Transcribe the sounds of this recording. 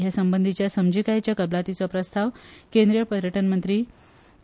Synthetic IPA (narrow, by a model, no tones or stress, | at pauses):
ɦjasəmbənd̪ʱit͡ɕjasəmd͡ʑikajat͡ɕjakəblat̪it͡sɔpɾəst̪ʰaʋkẽnd̪ɾijəpəɾjəʈənmənt̪ɾiː